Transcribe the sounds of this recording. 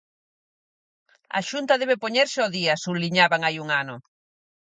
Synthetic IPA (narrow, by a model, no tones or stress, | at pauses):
ɐ̰ʃunt̪ɐðɛβepoɲeɾsɪoðiɐsuliɲaβaŋajuŋanʊ